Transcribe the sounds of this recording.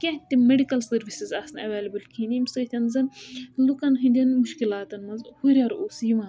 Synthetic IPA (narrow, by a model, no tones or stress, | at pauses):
kʲɐ̃t̪imeɖikɐlsɐɾʋisizɐːsɐnɐʋeːlʲɐbɨlkʰinimsət̪ʰʲɐnzɐnlukɐnɦind̪ʲɐnmuʃkilaːt̪ɐnmɐnzhuɾʲɐɾoːsjiʋãːn